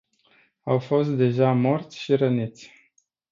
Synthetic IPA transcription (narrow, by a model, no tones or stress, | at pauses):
awfo̞st̪̚d̪e̞ʒamo̞rt̪sʲʃiɾənit̪sʲ